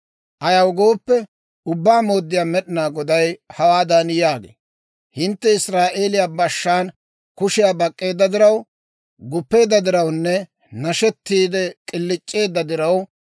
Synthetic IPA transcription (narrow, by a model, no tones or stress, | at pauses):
ʔɐjɐwɡo̞ːpːɛ | ʊbːaːmo̞ːd̪ːɪjaːmɛɗɪnaːɡɔd̪ɐjhɐwaːd̪aːnjaːɡḛː | hɪnt̪ːɛɪsɾaːʔe̞ːlɪjabɐʃːaːn | kʊʃɪjaːbɐkʼːe̞ːd̪ːɐd̪ɪɾɐw | ɡʊpːe̞ːd̪ːɐd̪ɪɾɐwnːɛ | nɐʃɛt̪ːiːd̪ɛkʼɪlːɪt͡ʃʼːe̞ːd̪ːɐd̪ɪɾɐw